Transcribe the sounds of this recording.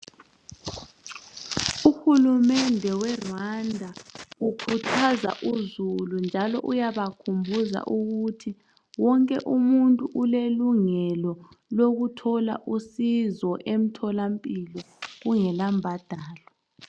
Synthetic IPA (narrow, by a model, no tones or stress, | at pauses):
uxulumɛndʱɛwɛrwandʱaukʰutʰaza̰ʔuzulund͡ʒʱalɔ̰ʔujaβakʰumbʱuza̰ʔuɣutʰi | wɔŋkʼɛ̰ʔumuntʼuʔuleluŋɛlɔ | loɣutʰɔla̰ʔusizɔʔem̩tʰɔlampʼilɔ | ɣuŋɛlambʱad̥ʱaːlɔ